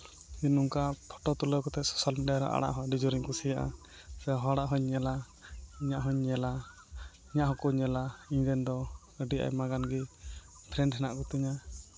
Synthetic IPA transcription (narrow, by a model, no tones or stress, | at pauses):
inuŋkapʰɔ̥ʈɔt̪ɔlɔkɔt̪ɛsɔ̥salmiɖijaɾɔ̰ʔa̰ɽa̰ʔɦɔɖid͡ʒɔɾiɲkusijaʔa̰ | sɛɦɔɽaʔɦɔɲɲɛla | iɲaʔɦɔɲɲɛla | iɲaʔɦɔkɔɲɛlaiɲdɛnd̪ɔ | əɖiʔa̰jmaɡanɡɛ | pʰɾɛɳʈɦɛnaʔkɔt̪iɲa